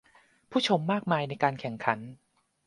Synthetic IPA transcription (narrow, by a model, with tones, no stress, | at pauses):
pʰuː˥˩t͡ɕʰo˧mːaː˥˩k̚maː˧jna˧jkaː˧nkʰɛ˨˩˦ŋkʰa˩˦n